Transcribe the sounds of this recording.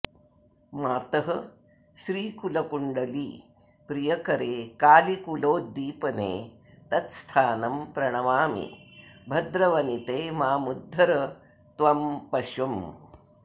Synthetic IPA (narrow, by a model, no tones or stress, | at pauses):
maːt̪ɐɦɐ | ʃɾiːkulɐkuɳɖɐlḭː | pɾijɐkɐɾeːkaːlikuloːd̪ːiːpɐnḛː | t̪ɐt̪st̪ʰaːnɐmpɾɐɳ̃ɐʋaːmḭbʱɐd̪ɾɐʋɐnit̪eːmaːmud̪ʱːɐɾɐ | t̪ʋɐmpɐʃɐm